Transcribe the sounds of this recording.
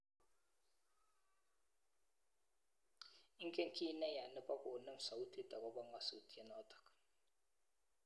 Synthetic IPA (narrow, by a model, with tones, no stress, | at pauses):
i˦kɛ˦ŋ̩˦kʰi˦nɛ˦ja˨nə˦pa˦ko˨nə˦m̩˨˦sa˨u˦tʰi˦ta˨kɔ˦bɔ˦ŋ˦a˨sṵ˨ti˦ɛ˦nɔ˦tḁ˨k